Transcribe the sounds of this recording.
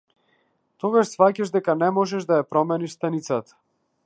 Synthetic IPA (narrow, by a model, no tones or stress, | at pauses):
t̪ɔɡaʃsfacaʒd̪ɛkanɛmɔʒɛʒd̪ajapɾɔmɛniʃst̪anit̪sat̪ḁ